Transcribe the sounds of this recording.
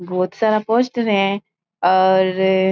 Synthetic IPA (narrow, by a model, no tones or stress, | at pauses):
bɔːt̪saːɾapoːsʈəɾɦɛ̃ | ɔːɾ